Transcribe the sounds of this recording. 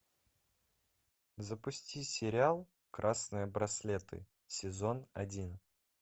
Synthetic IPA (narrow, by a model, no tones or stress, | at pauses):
zəpʊsʲtʲisʲɪɾʲɪalˠ | kɾʔasnɨjəbɾɐsʲlʲet̪ɨ̰ | sʲɪzonɐdʲin